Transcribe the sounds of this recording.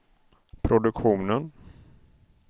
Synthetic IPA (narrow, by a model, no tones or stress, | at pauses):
pʰɾʊd̪ɵkɧuːnən